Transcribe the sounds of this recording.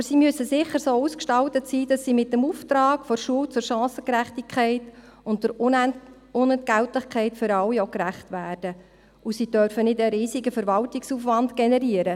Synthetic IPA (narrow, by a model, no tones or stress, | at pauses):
bəɾsiːmyəsəsɪχəɾsoːuːskʃtɑltətsiːdɑsːiːmɪtːəmuːft̪ɾɑːkfɔɾʃuəwt͡sʊɾʃɑ̃ːsəkɾæχtɪkʰχɛɪt | ʊnt̚d̥əɾ | ʊnɛntɡæwtlɪχkʰɛɪtfʏɾɑlwiokɾæχtʋæːrd̥ə | ʔusiːdœrfənɪdəɾiːsɪɡəfəɾʋɑltɪksuːfʋɑndɡ̥ɛnɛɾiəɾə